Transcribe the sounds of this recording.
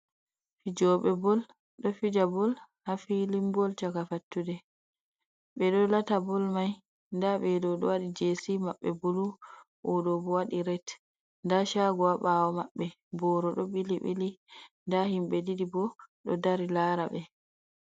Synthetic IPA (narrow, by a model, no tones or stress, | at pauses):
fid͡ʒɔɓɛbɔl | ɗɔfid͡ʒabɔl | hafilimbɔlt͡ʃakafatːudɛ | ɓɛɗɔlatabɔlmaj | ndaɓɛdɔɗɔ̰waɗid͡ʒesimaɓːɛbolu | ʔɔɗɔbɔwaɗiɾɛt | ndaʃaɡɔwaɓawɔmaɓːɛ | bɔɾɔɗɔɓiliɓḭlindahimɓɛdidibɔɗɔ̰daɾilaːɾaɓɛ